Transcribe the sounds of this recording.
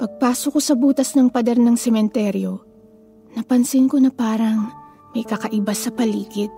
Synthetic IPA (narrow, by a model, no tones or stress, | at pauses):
pɐɡ̚paːsoko̞sɐbuːt̪ɐsnɐŋpɐd̪ɛɾnɐŋsɛmɛnt̪ɛɾjo̞ | nɐpɐnsɪnko̞nɐpaːɾɐŋ | mɐjkɐkɐʔɪbasɐpɐliːɡɪt̪̚